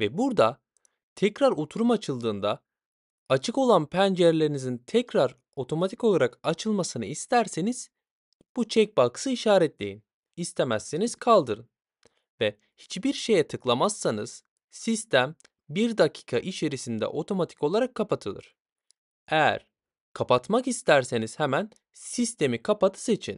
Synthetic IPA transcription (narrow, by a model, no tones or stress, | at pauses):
vɛbuɾd̪a | t̪ʰɛcɾaɾut̪ʰuɾumat͡ʃʰɯlˠd̪ɯːnd̪a | at͡ʃʰɯko̞lˠanpʰænd͡ʒæɾlʲe̞ɾinizint̪ʰɛcɾaɾ | o̞t̪ʰo̞mat̪ʰi̥ko̞lˠaɾakat͡ʃʰɯlˠmasɯnɯist̪ʰæɾseniz̥ | b̥ut͡ʃʰɛc̚bakɯ̥sɯiʃaːɾɛt̪lʲejin | ist̪ʰemæsːeniz̥kʰalˠd̪ɯɾɯn | vɛ | hi̥t͡ʃbiɾʃe̞jɛt̪ʰɯklˠamasːanɯz̥ | sist̪ʰæm | biɾd̪acʰi̥ːkʰaʔit͡ʃe̞ɾisind̪ɛ̰ʔo̞t̪ʰo̞mat̪ʰi̥ko̞lˠaɾakʰːapat̪ʰɯlˠɯ̰ɾ̥ | ejæ̰ɾ̥ | kʰapat̪makist̪ʰæɾse̞niz̥hɛmæn | sist̪ʰe̞mikʰapat̪ʰɯ̥se̞t͡ʃʰḭn